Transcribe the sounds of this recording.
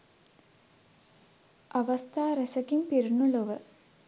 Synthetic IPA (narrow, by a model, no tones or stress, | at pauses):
ʔɐʋɐst̪ʰaːɾɐsɐkimpiɾuɳuɭɐʋɨ